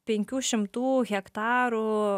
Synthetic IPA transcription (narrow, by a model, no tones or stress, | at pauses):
pʲɛŋʲkʲuːʃʲɪmt̪uːɣʲɛkt̪ɑːɾu